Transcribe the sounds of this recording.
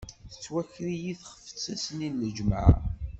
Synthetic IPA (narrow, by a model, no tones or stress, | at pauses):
θə̥t͡sːwæçɾijiθχə̥fə̥t͡sːæsninːəd͡ʒmə̰ʕ